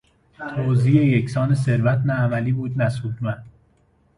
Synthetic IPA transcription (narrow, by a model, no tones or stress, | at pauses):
t̪ʰoziːejecʰsɒːnes̬e̞ɾvæt̪ʰnæːmæliːbuːd̪næsuːd̪mæn